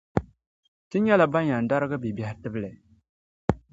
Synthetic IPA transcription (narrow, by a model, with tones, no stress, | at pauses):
tɨ˦ɲɛ˦la˨ba˦ɲa˨n˨da˦ɾɨ˦ɡɨ˦bi˨bjɛ˨hɪ˦tɨ˦bɨ˦lɛ˨